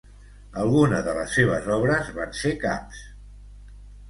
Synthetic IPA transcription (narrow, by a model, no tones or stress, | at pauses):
əlˠɣunəðələsːeβ̞ə̰zɔβɾəzβanseka̰ps